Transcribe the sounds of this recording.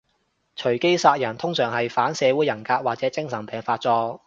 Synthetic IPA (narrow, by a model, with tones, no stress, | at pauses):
t͡ʃʰɵ˨˩ɥke˥jsaː˧t̚jɐ˨˩nt̪ʰʊ˥ŋsœː˨˩ŋɦɐ˨jfaː˨˥nsɛː˨˧wuː˨˥jːɐ˨˩nkaː˧k̚waː˨t̚t͡sɛː˨˥t͡sɪ˥ŋsɐ˨˩ŋpɛː˨ŋfaː˧t̚t͡sɔː˧